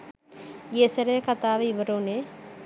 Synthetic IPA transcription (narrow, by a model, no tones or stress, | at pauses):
jeseɾekat̪aːʋiʋəɾone